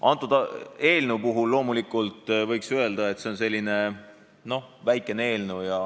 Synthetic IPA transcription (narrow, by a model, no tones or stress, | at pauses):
ʔɑnt̪ːˑud̪̥ɑe̞ːlnewpuɦulːo̞ːmulikˑult̪ˑvɤjksøeld̪̥ɑe̞t̪ːse̞o̞ns̬e̞lʲːine̞ | no̞væjkːˑe̞nee̞ːlnewjɑ